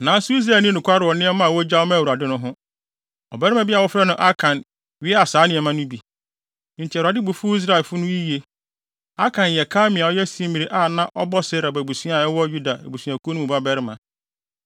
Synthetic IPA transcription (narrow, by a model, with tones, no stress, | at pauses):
nã˨˦sʊ˦i˦s̬ɾaː˨nĩ˦nʊ̃˨kʰʷa˦ɾɪ˨ɔ˨nɪ̃˦ɛ˦mã˦a˨wɔ˦d͡ʑa˦ɔ˦mã˦˨u˨ɾa˨dɪ˦nʊ̃˦ɦʊ̃˦ | ɔ̰˨bɛ˦ɾɪ˦mã˦bɪ˦a˨wɔ˦fɾɛ˦nʊ̃˦ʔa˦kʰã˨n | ɥɪ˦ɛ˦a˨saː˨˦nɪ̃˨ɛ˨mã˦nʊ̃˦bi˨ | n̩˨tʰɪ˨ɾa˨dɪ˦bu˨fu˦i˦s̬ɾa˦˨lfʊ˦nʊ̃˦i˦ji˦e˦ | a˦kʰã˨n˨jɛ˨kʰaː˦mɪ̃˨ã˨ɔ˦jɛ˦sĩ˨˦mĩ˨ɾi˨˦ʔa˦˨nã˦ʔɔ˦bɔ˦sɪ˦ɾa˨bɔ˨bu˨su˦a˨ɛ˦wɔ˦ju˦da˨æ̰˨bu˨sĩ˨a˨kʰu˦nũ˦ũ˨ba˦bɛ˦ɾɪ˦mã˨